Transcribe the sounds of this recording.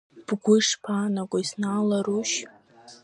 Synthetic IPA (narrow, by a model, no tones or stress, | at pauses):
b̥ɡʷʊʂpʰanakʷʼaisnaːlaɾuʃ